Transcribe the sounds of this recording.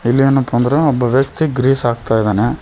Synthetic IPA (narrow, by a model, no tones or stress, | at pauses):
ilːienːupond̪ɾeɔbːɐʋjɐk̚t̪iɡɾiːsaːɡt̪aːjd̪aːne